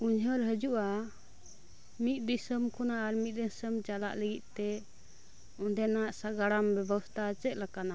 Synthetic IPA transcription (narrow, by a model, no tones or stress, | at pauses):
uɲɦəɾɦəd͡ʒuʔa | mit̪̚ˀd̪isəmkɔnaʔːɾmit̪̚ˀd̪isəmt͡ʃala̰ʔləɡit̪̚ˀt̪ɛ | ɔnd̪ɛnaʔsaɡaɽambɛbəst̪ʰat͡ʃɛt̪̚ˀlakana